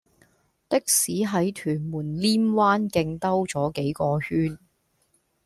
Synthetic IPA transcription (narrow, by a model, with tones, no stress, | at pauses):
t̪ɪ˥k̚siː˨˥ɦɐ˨˥jt̪ʰyː˨˩nmuː˨˩nliː˥mwaː˥nkɪ˧ŋt̪ɐ˥wt͡sɔː˨˥ke˨˥jkɔː˧hyː˥n